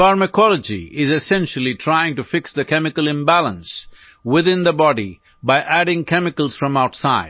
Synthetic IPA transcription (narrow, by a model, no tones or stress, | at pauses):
faɹməkʰɔləd͡ʒḭɪzɨsɛ̃nʃəl̩ˠitʰɾaɪɪ̃ŋʈufɪksd̪əkʰɛmɪkəlɪ̃mbælˠə̃ns | wɪðɪ̃nd̪əbɔɖḭ | baɪʔæɖɪ̃ŋkʰɛmɪkəlˠz̥fɹʌ̃maʊtsaɪd